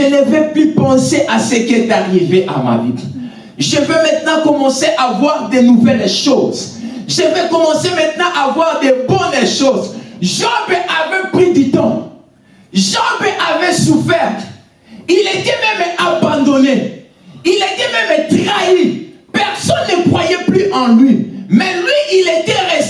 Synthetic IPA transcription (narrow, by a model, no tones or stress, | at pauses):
ʒənəvɛplypɑ̃seʔasəkɛd̪aʁiveʔa̰ma̰vḭ | ʒəvɛmɛ̃t̪nɑ̃kɔmɑ̃seʔavwaʁd̪ɛnuvɛlʃozʒəvɛkɔmɑ̃semɛ̃t̪nɑ̃ʔavwaʁd̪ɛbɔnʃozʒɑ̃bɛʔavɛplyd̪ət̪ɑ̃ | ʒɑ̃bɛʔavɛsufɛʁt | ilet̪ɛmɛmabɑ̃d̪ɔne | ilet̪ɛmɛmt̪ʁai | pɛʁsɔnːəkχwajɛplyʔɑ̃lɥimɛlɥiilet̪ɛʁe